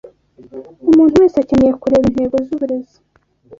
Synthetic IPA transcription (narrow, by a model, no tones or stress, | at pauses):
umuːn̥huweːseacenejekuɾeːβinhe̞ːɡozuβuɾe̞zi̥